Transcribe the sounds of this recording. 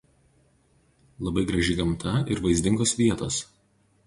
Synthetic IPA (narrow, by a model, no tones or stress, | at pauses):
lˠɐbɐɪɡɾɐʒʲɪɡɐmt̪ʰɐɪɾʋɐɪzʲd̪ʲɪŋɡoːsʋʲiɛt̪oːs